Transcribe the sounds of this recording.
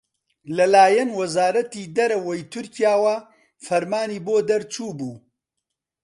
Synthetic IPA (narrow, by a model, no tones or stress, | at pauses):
lɐlaːjɐnwɐzaːɾɐt̪id̪ɐɾɐwɐjt̪ʰʊɾcijaːwɐ | fɐɾmaːniːboːd̪ɐɾt͡ʃuːbuː